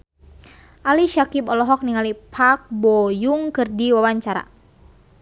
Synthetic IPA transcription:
ʔaliʃakipɔlɔɦɔk̚niŋalipʰak̚bɔjuŋkɨrdiwawaɲt͡ʃaɾa̰

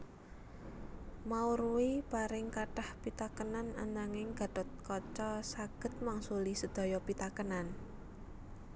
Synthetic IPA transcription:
mauɾuwipaɾɪŋkaʈahpit̪akənana̰naŋɪŋɡ̥a̤d̪̥ɔ̤t̪̚kɔt͡ʃɔsaɡ̥ə̤t̪̚maŋsulisəd̪̥ɔ̤jɔpit̪akənan

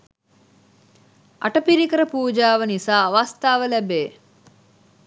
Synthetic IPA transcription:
ʔɐ̰ʈɐpiɾikəɾɐpuːd͡ʒaːʋɐnisaːʋast̪aːʋəlɛbeː

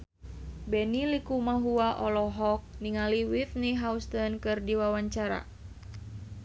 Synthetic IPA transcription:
bɛnilikumaɦuaʔɔlɔɦɔk̚niŋaliwitniɦaust̪ənkɨrdiwawaɲt͡ʃaɾa̰

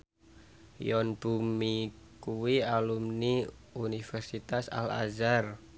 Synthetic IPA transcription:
jɔnb̥umi | kuwialumni | unifɛrsit̪asa̰la̰zar

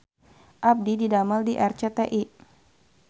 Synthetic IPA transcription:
ʔap̚dididamaldiʔɛrt͡ʃɛt̪eʔi

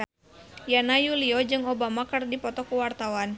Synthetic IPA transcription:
janajuliɔd͡ʒɨŋobamakɨrdipɔt̪ɔkuwart̪awan

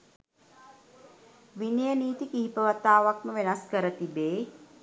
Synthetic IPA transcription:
ʋinəjəniːt̪ikiɦipəʋat̪aːʋakməʋenaskəɾət̪ibeː

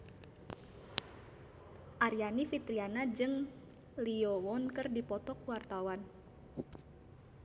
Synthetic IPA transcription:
ʔaɾjanifit̪ɾianad͡ʒɨŋ | liɔwɔnkɨrdipɔt̪ɔkwart̪awan

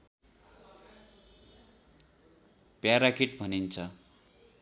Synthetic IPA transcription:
pjaɾakiʈ̚bʱʌnint͡sʰʌ

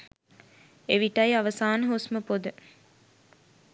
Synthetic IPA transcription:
eʋiʈɐjaʋɐsaːnəɦosməpod̪ə

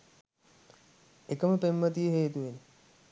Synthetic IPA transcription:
ekəməpemːət̪ijəɦeːt̪uʋeni

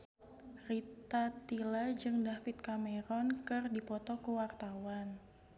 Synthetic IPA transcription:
rit̪at̪ilad͡ʒɨŋdafit̪̚kamɛɾɔnkɨrdipɔt̪ɔkəwart̪awan

